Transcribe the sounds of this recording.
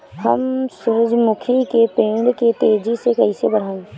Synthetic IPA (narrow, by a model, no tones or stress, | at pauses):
həmsʊɾəd͡ʒmʊkʰikepẽːɖket̪eːd͡ʒisekɐɦisebəɽ̤aːẽː